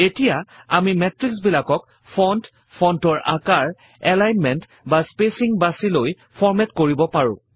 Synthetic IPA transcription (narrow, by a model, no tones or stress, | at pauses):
etijaamimɛtɹiksbilakɔk | pʰɔnt | pʰɔntɔɹʔa̰kaɹ | ɛlajnmɛnt | baspesiŋbasiloj | pʰɔɹmɛtkoɹibɔpaɹʊ̰̃